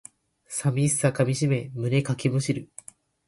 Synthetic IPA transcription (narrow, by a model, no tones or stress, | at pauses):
samʲisɨ̥sakamʲiɕime̞mɯ̟ne̞kakemɯ̟ɕiɾɯ̟